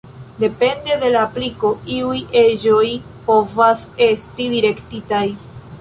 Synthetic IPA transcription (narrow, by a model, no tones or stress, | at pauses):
de̞pe̞nde̞de̞laːpliko̞iujʔe̞d͡ʒo̞j | po̞vase̞stidiɾe̞ktitaj